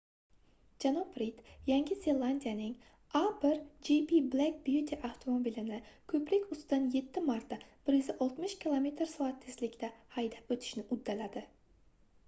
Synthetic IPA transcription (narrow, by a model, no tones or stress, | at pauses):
d͡ʒanɒpɾit̪jaŋɡʲɪze̞lˠand̪ijanɪŋ | abɪɾd͡ʒipiblak̚bjut̪ʰiʔawt̪ʰomobilɪnɪkʲʰɵplɪkʲʊst̪ɪd̪anje̞t̪ʰːɪmaɾt̪ːab̥ɪɾjɪzaʔɒlˠt̪mɪʃkʲʰilˠome̞t̪ɾsɒat̪ʰːeslɪkʲt̪ahajd̪apɵt̪ʰɪ̥ʃnɪʔʊd̪ːalad̪ɪ